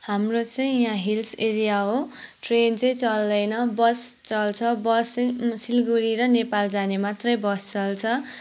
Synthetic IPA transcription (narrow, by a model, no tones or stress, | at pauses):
hamrot͡sʌĩjãɦilseɾijaɦo | ʈrent͡sʌĩt͡sʌld̪ʌjnʌbʌst͡sʌlt͡sʰʌbʌsʌsilɡuɾiɾʌnepald͡zanemat̪rʌjbʌst͡sʌlt͡sʰʌ